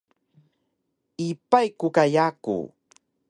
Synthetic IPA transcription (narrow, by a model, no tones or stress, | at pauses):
ipajkukajakṵ